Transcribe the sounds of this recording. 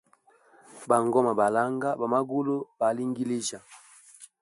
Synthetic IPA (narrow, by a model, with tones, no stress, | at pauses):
ba˨ŋɡɔ˦ma˨ba˨la˦ŋɡa˦ba˨ma˦ɡo˦lo˦ba˨˦li˦ŋɡi˦le˦d͡ʒa˨